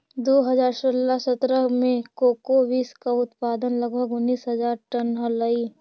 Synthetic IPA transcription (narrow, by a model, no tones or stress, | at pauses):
d̪oːɦəzaːɾsolasət̪ɾəmẽkoːkoʋiːskaʊt̪paːd̪ənləɡbʱəɡʊnːiːsɦɐzaːɾʈənɦəlaiː